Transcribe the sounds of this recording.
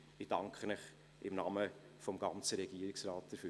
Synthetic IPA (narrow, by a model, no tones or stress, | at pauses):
ɪd̥ɑŋkχənɪχ | ɪmnɑmə | fɔmɡ̥ɑnt͡səɾɛɡ̥iəɾɪksɾɑːt̚d̥əɾfy